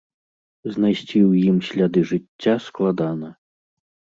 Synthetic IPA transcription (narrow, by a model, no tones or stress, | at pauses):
znajsʲt͡sʲiwjimsʲlʲad̪ɨʐɨt͡sʲːasklˠad̪anɐ